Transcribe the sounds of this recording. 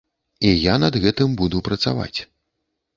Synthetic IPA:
ijanɐd̪ɣɛt̪ɨmbud̪upɾɐt̪sa̰va̰t͡sʲ

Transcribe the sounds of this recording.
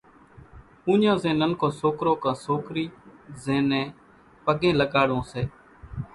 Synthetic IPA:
ũːɲãːzẽːnənkʰõːsoːkɾoːkãːsoːkɾiːzẽːnɛ̃ː | pəɠẽːləɠaːɽõːseː

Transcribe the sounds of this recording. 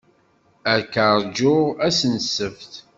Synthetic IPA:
əɾkəɾˤd͡ʒʊʁæsənsəfθ

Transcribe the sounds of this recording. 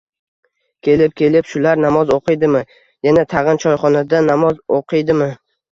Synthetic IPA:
kʲʰe̞lɪp̚kʲʰe̞lɪpʃʊlaɾnamɒzoqʰɨjd̪ɪmɪ | janat̪ʰɑʁɨnt͡ʃʰɒjχɒnad̪anamɒzoqʰɨjd̪ɪmɪ

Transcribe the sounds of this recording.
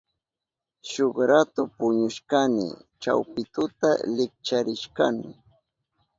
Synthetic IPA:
ʃoχɾat̪ʊpʊɲʊʃkanɪ̰t͡ʃa̰wpɪt̪ʊt̪alɪk̚t͡ʃaɾɪʃkanɪ

